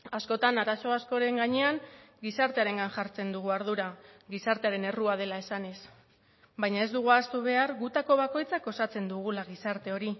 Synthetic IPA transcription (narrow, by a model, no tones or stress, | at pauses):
asko̞t̪anaɾaso̞asko̞ɾe̞ŋɡaɲe̞aŋɡisaɾt̪e̞aɾe̞ŋɡanʝaɾt͡se̞nd̪uɣuaɾð̞uɾaɡisaɾt̪eaɾe̞ne̞ruað̞e̞lae̞sane̞s | βajɲae̞zd̪uɣ̞uast̪uβe̞aɾɣut̪ako̞β̞ako̞jt͡sako̞sat͡se̞nd̪uɣ̞ulaɣ̞isaɾt̪e̞o̞ɾi